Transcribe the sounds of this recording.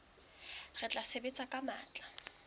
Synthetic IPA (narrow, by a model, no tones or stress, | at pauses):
ɣɪt͡ɬʼasebet͡sʼakʼamaːt͡ɬʼa